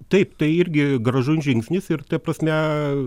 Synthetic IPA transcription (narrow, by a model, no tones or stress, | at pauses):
t̪ɐɪpt̪ɐɪɪɾʲɡʲɪɡɾɐʒʊnʲʒʲɪŋksʲnʲɪsɪɾt̪ɐpɾɐsʲmʲɛ